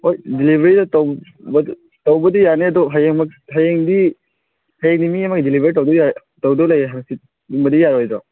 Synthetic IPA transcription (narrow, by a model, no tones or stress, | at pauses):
hojdilibʱɾidɔtɔwb | tawbɐdijaneadɔɦajeŋmak̚ɦajeŋdi | hajeŋnimiamak̚dilibʱeɾitɔwdɔja | tawdɔlajeɦaŋsit̚ | umbɐdijaɾɔjzɔ